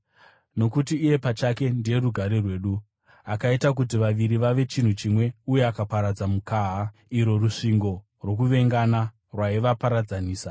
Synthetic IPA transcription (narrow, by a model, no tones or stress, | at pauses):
no̞kutiːje̞pat͡ʃake̞ndije̞ruɡʱaɾe̞rwe̞ːɗu | akaitak̬utiʋaʋiɾiʋaʋe̞t͡ʃin̤ut͡ʃimwe̞uje̞akapaɾad͡zamukaːɦaiɾo̞ruʂiŋɡo̞ | rwo̞k̬uʋe̞ŋɡana | rwaiʋapaɾad͡zaniːsa